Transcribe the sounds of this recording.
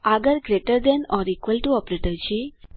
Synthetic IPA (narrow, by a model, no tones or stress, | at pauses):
aɡəɾɡɾeʈəɾd̪enɔɾikʋəlʈuɔpɾeʈəɾt͡ɕi